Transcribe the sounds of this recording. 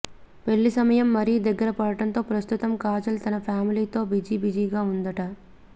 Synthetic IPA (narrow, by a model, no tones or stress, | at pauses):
pe̞ɭːisɐmɐjɐmːɐɾid̪ɐɡːɐɾɐpɐɽɐʈɐnt̪o̞ːpɾɐst̪ut̪ɐmkaːd͡ʒɐlt̪ɐnɐpʰjaːmiliːt̪o̞ːbid͡ʒiːbid͡ʒiːɡaːund̪ɐʈɐ